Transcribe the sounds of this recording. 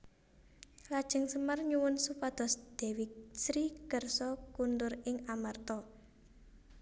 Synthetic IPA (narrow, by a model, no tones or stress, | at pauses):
lad̥ʒ̥ə̤ŋsəmərɲuwʊnsupad̪̥ɔ̤sd̪̥ɛ̤wisɾikərsɔkund̪ʊrɪŋamart̪ɔ